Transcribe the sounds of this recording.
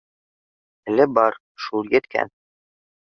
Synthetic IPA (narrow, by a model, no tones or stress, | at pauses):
ɘ̆lɘbɑɾ | ʃulˠjɘ̆t̪kʰæ̰n